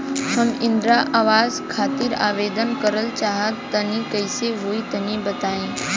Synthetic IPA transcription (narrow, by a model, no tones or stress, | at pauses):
ɦɐmɪ̃nd̪ɾaʔaːʋaːzkʰaːt̪ɪɾa̰ːʋeːd̪ənkəɾəlt͡ʃaːɦət̪ːɐnĩkəɪseɦoːit̪ɐnĩbɐt̪aːẽː